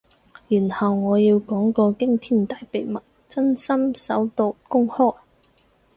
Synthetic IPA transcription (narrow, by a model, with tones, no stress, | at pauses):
jyː˨˩nhɐ˨wŋɔː˨˧jiː˧wkɔː˨˥ŋkɔː˧kɪ˥ŋt̪ʰiː˥˩nt̪aː˨jpe˨jmɐ˨˩t̚ | t͡sɐ˥nsɐ˥msɐ˨˥wt̪o˧wkʊ˥ŋhɔː˥j